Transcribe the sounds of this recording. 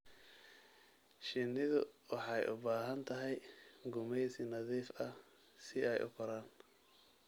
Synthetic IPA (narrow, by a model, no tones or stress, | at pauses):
ʃɪnːɪðʊ̰wɑħɑjʔʊbaːɦɐnt̪ʰɐɦɛjɡʊmɛjsinɐðiːfɐ | sɪɛjʔʊ̰kʰʊɾaːn